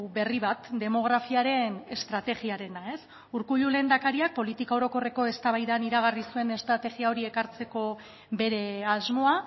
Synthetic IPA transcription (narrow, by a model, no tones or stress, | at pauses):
be̞riβ̞at̪d̪e̞mo̞ɣ̞ɾafiaɾe̞ne̞st̪ɾat̪e̞ɣiaɾe̞nae̞s | uɾkuʎule̞ːnd̪akaɾiak̚po̞lit̪ikaoɾo̞ko̞re̞ko̞e̞st̪aβajðaniɾaɣ̞arisue̞ne̞st̪ɾat̪e̞ɣiao̞ɾie̞kaɾt͡se̞ko̞ | be̞ɾe̞azmo̞a